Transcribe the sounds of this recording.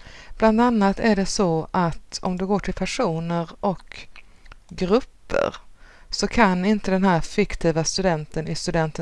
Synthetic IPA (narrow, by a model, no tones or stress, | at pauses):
b̥land̪anːat̪æɖɛsɔʔat̪ɔmd̪ɵɡoːʈʰɪlpʰæʂuːnəɾʔɔk | ɡɾɵpːə̰ɾsɔkʰanɪnt̪əd̪ɛnɦæːɾfɪkt̪ʰiːvast̪ɵd̪ɛnt̪ənɪst̪ɵd̪ɛnt̪ə